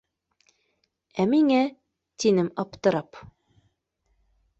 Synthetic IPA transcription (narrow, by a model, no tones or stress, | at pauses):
æmiŋæ | t̪inɘmɑpt̪ɤ̆ɾɑp